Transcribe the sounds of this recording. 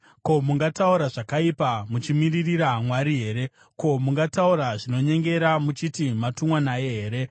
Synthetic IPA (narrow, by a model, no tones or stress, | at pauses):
ko̞muŋɡatauɾaʐakaipamut͡ʃimiririɾamwaɾiɦe̞ːɾe̞ | ko̞muŋɡatauɾaʐino̞ɲe̞ŋɡe̞ɾamut͡ʃitimatumwanajeɦeːɾe̞